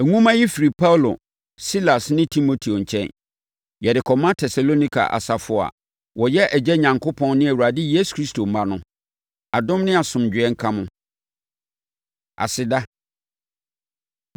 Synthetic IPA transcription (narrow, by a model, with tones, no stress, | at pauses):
æ˨ŋũ˦mã˦ji˦fi˨ɾi˨pʰa˦wlo̰˨ | si˦la˨snɪ̃˦tʰi˦mo˨tʰi˨o˨ɲ̩˨t͡ɕʰɛ̃˦n | jɛ˨dɪ˨kʰɔ˨mã˦tʰɛ˨sa˨lo˦nĩ˦kʰa̰˨ʔa̰˨sa˨fʊ˨a̰˨ | wɔ˨jɛ˦ʔæ˨d͡ʑɛ˦ɲã˨ŋkʰo˦pʰɔ̃˦nnɪ̃˦æ˨wu˨ɾa˨dɪ˦je˦su̥˨kʰɾi˦stʰo˨m̩˨mã˦nʊ̃˦ | a˨dʊ̃˦mnɪ̃˦a˨sʊ̃˨m˨d͡ʑᶣɪ˨˦ɛ˦ŋ̩˦kʰã˦mʊ̃˦ | a̰˨sɪ˨da˦